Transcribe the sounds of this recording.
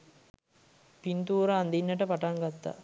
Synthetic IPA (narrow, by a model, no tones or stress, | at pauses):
pint̪uːɾaːnd̪inːəʈəpaʈaŋɡat̪ːa̰